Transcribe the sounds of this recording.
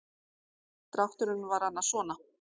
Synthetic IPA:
t̪ɾawht̪ʏɾʏnvaɾ̥hanːasvɔːna

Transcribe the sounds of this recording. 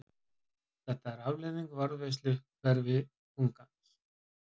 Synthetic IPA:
θɛht̪aɛɾavleðiŋkvaɾðvejs̬t̪lɪ | vɛɾvɪ | kuŋkans

